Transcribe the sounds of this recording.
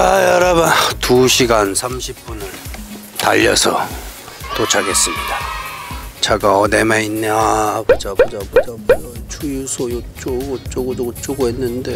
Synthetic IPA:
ajʌɾabatuɕʰiɡansʰamɕʰip̚p͈unɯɭ | ta̰ʎːʌ̰sʰʌ̰ | tot͡ɕʰaɡe̞s͈ɯmɲida | t͡ɕaɡaʌnemeinːeabod͡ʑabod͡ʑabod͡ʑaboat͡ɕʰujusʰojot͡ɕ͈oɡot͡ɕ͈oɡodot͡ɕ͈oɡoɦenːɯnde̞

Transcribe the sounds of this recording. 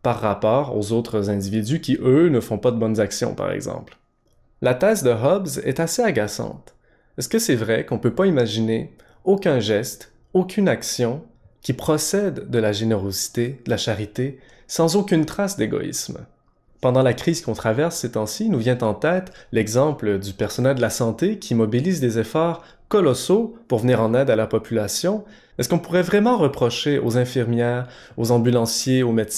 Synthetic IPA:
paʁːapɔːʁo̰zoːt̪χəzɛ̃d̪ivid̪ykʲiʔønəfɔ̃pad̪əbɔnzaksjɔ̰̃pa̰ʁɛ̰ɡzɑ̰̃ːpl | lat̪ɛːzd̪əɦɔbzɛ̰t̪aseaɡasɑ̰̃t̪ | ɛskəsɛvʁɛkɔ̃pøpaimaʒine | okʲɛ̃ʒɛst̪ | okʲʰynaksjɔ̃ | kʲipχɔsɛd̪ːəlaʒeneʁozi̥t̪ed̪əlaʃaʁit̪e | sɑ̃zokʲynt̪χasd̪eɡɔ̰ḭsm | pɑ̃d̪ɑ̃lakχiz̥kɔ̃t̪χavɛʁsːɛt̪ɑ̃sinuvjɛ̃t̪ɑ̃t̪ɛːt̪lɛɡzɑ̃pləd̪ypɛʁsɔnɛld̪əlasɑ̃t̪ekʲʰimɔbiliːzd̪ezefɔːʁ | kɔlɔsopuʁvəniːʁɑ̃nɛd̪alaʁpɔpʰylasjɔ̃ | ɛskɔ̃puʁɛvʁɛmɑ̃ʁəpχɔʃeʔo̰zɛ̃fiʁmjɛːʁ | ozɑ̃bylɑ̃sjeomet̪s

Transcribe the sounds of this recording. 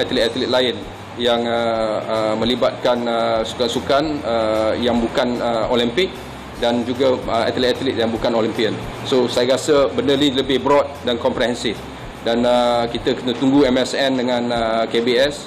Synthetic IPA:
at̪əlɛt̪at̪əlit̪̚laɪn | jaŋəəmə̃libat̪̚kanəsu̥kansukanəjaŋbukanəolimpɪk̚ | dand͡ʒuɡaa̰t̪əlɛt̪at̪əlit̪̚jaŋbukanolimpiən | sosajakasəbəndərliləbɪhbɾɔt̪̚dankɔmpɾɛɦɛnsɪf | danəkit̪əkənə̃t̪uŋɡuɛmɛsɛndəŋãnəkebiɛs

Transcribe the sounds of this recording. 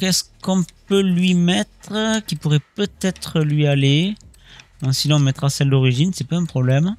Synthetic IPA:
kɛskɔ̃pølɥimɛt̪χəkʲipuʁɛpøt̪ɛt̪χəlɥiale | ɔ̃sinɔ̃mɛt̪χasɛld̪ɔʁiʒinsɛpaɛ̃pχɔblɛm

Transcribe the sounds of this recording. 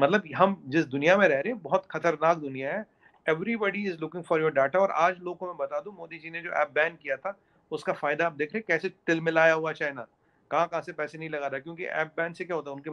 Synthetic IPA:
mɐt̪ləbɦɐmd͡ʒɪs̬d̪ʊnijamẽɾɛɦɾẽɦɛ̃bɔɦɔt̪xɐt̪əɾnaːk̚d̪ʊnijaɦɛ | ɛʋɾibɔɖiɪzlʊkɪ̃ŋɡfɔːɾjoːɾɖeːʈaɔːɾʔa̰ːd͡ʒloːɡkomẽbɐt̪aːd̪ũmoːd̪id͡ʒined͡ʒo̰ːʔɛ̰ːp̚bɛ̃ːnɖ̚kijat̪ʰa | ʊskafaːɪd̪aːp̚d̪eːkʰɾẽẽkɛːset̪ɪlmɪlaːjaɦuat͡ʃaːenaː | kɐɦãkɐɦãsepɛːsenɐɦĩlɐɡaːɾakjõːkḭʔɛ̰ːp̚bɛ̃ːnɖsekjaːɦoːt̪aːʊnke

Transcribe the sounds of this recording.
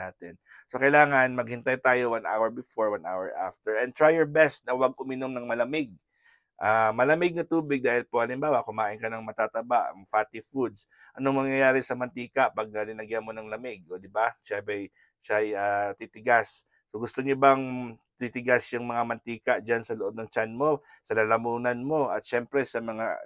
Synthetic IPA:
aːt̪ɛn | sokɐjlaːŋɐnmɐɡ̚hɪnt̪ajt̪aːjowanʔa̰wɛɹbɪfoɹwanʔa̰wɛɹʔa̰ft̪ɛɹʔɛn̚t̪ɹajɔɹbɛst̪̚nɐwɐɡ̚ʔʊmɪnomnɐŋmɐlɐmɪɡ̚ | ʔaːmɐlɐmɪɡ̚nɐt̪uːbɪɡ̚d̪aːhɪlpohɐlɪmbaːwɐkʊmaːʔɪnkɐnɐŋmɐt̪at̪ɐbaʔɐ̰ŋfaːt̪ɪfud̪s | ʔɐnoŋmɐŋjɐjaːɾɪsɐmɐnt̪iːkɐʔpɐɡ̚nɐlɪnɐɡjamo̞nɐŋlɐmɪɡ̚od̪ɪbaʃabɛj | ʃajat̪it̪ɪɡasː | oɡʊst̪oɲobɐŋt̪it̪ɪɡasjʊŋmɐŋamɐnt̪iːkɐʔd͡ʒansɐloʔo̞b̚nɐŋt͡ʃanmo̞ | sɐlɐlɐmuːnɐnmo̞ʔɐt̪̚ʃɛmpɾɛsɐmɐŋa̰

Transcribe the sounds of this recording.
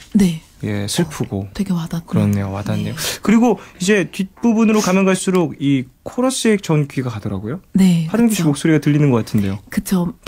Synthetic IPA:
ne̞ | je̞̰sʰɯɭpʰuɡoweɡemadakɯɾʌnːe̞̰joma̰danːe̞jokɯɾiɡoid͡ʑe̞tɥit̚p͈ubunɯɾokamjʌŋɡaɭs͈uɾoɡikʰoɾʌɕ͈iek̚t͡ɕʌnkɥiɡakadʌɾa̰ɡojone̞haɾɯnɡiɕʰimok̚s͈oɾiɡatɯʎːinɯnɡʌk͈atʰɯnde̞jokɯt͡ɕʰo

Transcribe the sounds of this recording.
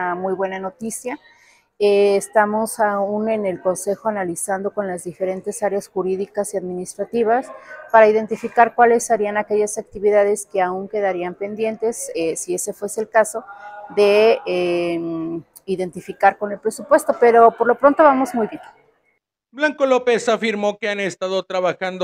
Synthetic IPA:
mujβwe̞nano̞t̪isja | eːst̪amo̞saune̞ne̞lko̞nse̞xo̞analisand̪o̞ko̞nlazðife̞ɾe̞nt̪e̞saɾeasxuɾiðikasiaðmĩnist̪ɾat̪iβaspaɾaiðe̞nt̪ifikaɾkwale̞saɾianake̞ʝasak̚t̪iβiðað̞e̞ske̞auŋke̞ðaɾiampe̞nd̪je̞nt̪e̞sesie̞se̞fwe̞selkaso̞ðe̞e | iðe̞nt̪ifikaɾko̞ne̞lpɾe̞supwe̞st̪o̞pe̞ɾo̞po̞ɾlo̞pɾo̞nt̪o̞βamo̞zmujβje̞n | blaŋkolopesafiɾmo̞keanest̪aðot̪ɾaβaxand̪o

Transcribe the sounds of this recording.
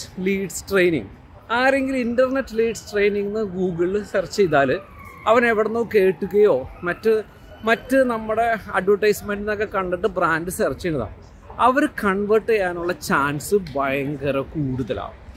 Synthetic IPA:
liːɖsʈrejnḭŋ | aːɾe̞ŋɡilindɐrnetːɨliːɖsʈrejniŋːnːɨɡuːɡɨɭsɐrt͡ɕːejt̪aːl | ɐʋɐneʋiɽɐnːoːkːe̞ːʈːuɣɐjo̞ːmɐtːɨ | mɐtːɨnɐmːuɽe̞ɐɖʋɐʈːɐjsmendinokːekɐɳɖɐʈːɨbraːndɨsɐrt͡ɕːɐnːɐða̰ː | ɐʋɐɾkɐɳʋɐʈːɨjaːnuɭːɐt͡ɕaːnsɨbɐjɐŋɡɐɾɐkuːɽuðɐla̰ː

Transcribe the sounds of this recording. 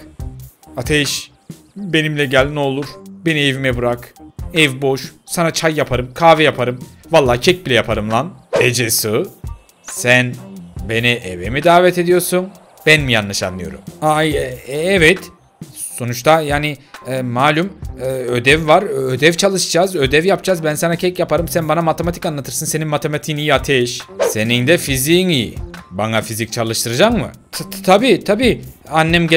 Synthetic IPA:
at̪ʰɛʃ | be̞nimlʲɛɟælʲnɛolˠuɾ̥benievimɛbuɾakɛvbo̞ʃsanat͡ʃʰajːapʰaɾɯmkʰaːvɛjapʰaɾɯmvalˠːaːcʰɛc̚bilʲɛjapʰaɾɯmlˠaned͡ʒesɯ | sænbe̞niʔevemid̪aːvɛt̪e̞d̪ijo̞ɾsun | b̥ænmijanlˠaʃanːɯjo̞ɾṵma | ɛvɛt̪ | so̞nut͡ʃt̪ʰajaːnɪɛmaːlʲumɯød̪ɛvvaɾød̪ɛvt͡ʃʰalˠɯʃd͡ʒazø̞d̪ɛvjapd͡ʒazbænsanacʰɛcjapʰaɾɯmsænbanamat̪ʰemat̪i̥kanlˠat̪ʰɯɾsɯnse̞ninmat̪ʰemat̪ʰiːnijat̪ʰeʃse̞nind̪ɛfizinibanafizic̚t͡ʃʰalˠɯʃt̪ʰɯɾad͡ʒammɯ̰t̪ʰabiːt̪ʰabiːanːɛmɟ

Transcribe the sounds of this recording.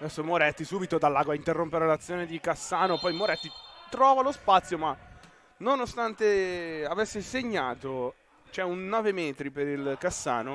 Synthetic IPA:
d̪ɛsːomoɾɛt̪ːisubit̪od̪alːaɡwaint̪erːompeɾelat̪sːjoːned̪ikasːaːnopɔjmoɾɛt̪ːit̪ɾɔːvalospat̪sːjoma | nonost̪ant̪eavɛsːeseɲːaːt̪o | t͡ʃɛunːɔːvemɛːt̪ɾipeɾilkasːa̰ːno

